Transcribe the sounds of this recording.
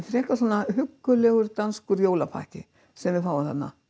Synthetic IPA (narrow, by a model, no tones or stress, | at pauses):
θɾɛːhkasɔːnahʏkːʏlɛɣʏɾt̪anskʏɾjoːwlapʰa̰hcɪ | sɛmvɪðfaːwvaθa̰t̪na̰